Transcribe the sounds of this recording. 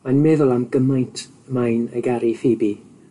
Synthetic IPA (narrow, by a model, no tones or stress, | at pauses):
manmɛðʊlˠamɡəmajntʰ | əmajnəɡaɾiθibi